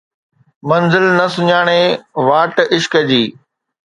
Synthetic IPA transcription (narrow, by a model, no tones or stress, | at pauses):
mɐnzɪlnɐsʊɲaːɽ̃eʋaːʈɪʃkəd͡ʑiː